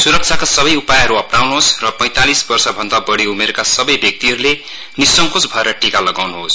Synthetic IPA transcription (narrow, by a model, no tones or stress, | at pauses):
suɾʌk̚t͡ʃʰakasʌbʌjupajɦʌɾuʌpnawnuɦosrʌpʌ̃j̃t̪alisbʌrsʌbʱʌnd̪abʌɽiumeɾkasʌbʌjbjʌk̚t̪iɦʌɾule | nisːʌŋkot͡sbʱʌeɾʌʈikalʌɡawnuɦos